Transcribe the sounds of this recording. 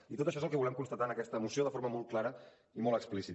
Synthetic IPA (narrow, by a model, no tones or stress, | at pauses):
it̪ot̪əʃɔezəlˠkɛβulɛmkunst̪ət̪anəkɛst̪əːmusioðəfoɾməmɔlˠt̪̚klaɾə | imɔlˠəksplisi